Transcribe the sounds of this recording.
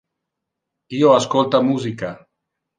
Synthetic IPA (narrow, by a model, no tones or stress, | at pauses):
ioaskolt̪amuzika